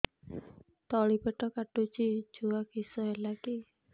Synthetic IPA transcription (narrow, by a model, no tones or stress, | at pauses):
t̪ɔɭipeʈɔkaʈut͡ʃid͡ʒuakisɔɦelaki